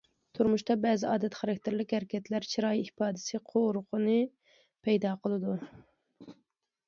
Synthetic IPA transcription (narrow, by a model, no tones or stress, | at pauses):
t̪ʰuɾmuʃt̪ɑbɛːzɪɑːd̪ɛt̪χɑɾɛk̚ʲt̪ʰɪɾlɪkʲhæɾɪkʲʰɛt̪læɾt͡ʃʰiɾɑːjihpɑːd̪ɪ̥sɨqʰoɾʊqʰʊnɨ | pʰɛjd̪ɑqʰəlˠɨd̪u